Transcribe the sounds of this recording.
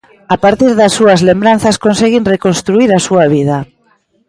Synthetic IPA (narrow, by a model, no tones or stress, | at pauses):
apaɾt̪iɾðasːuazlembɾan̟θaskonseɣinrekonst̪ɾuiɾasuaβ̞ið̞a